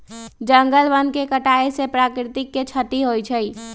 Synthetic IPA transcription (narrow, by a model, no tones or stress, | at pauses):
d͡ʒəŋɡəlbənkekəʈaesepɾakɾɪt̪ɪkːet͡ʃʰəʈ̪iɦojt͡ʃʰəj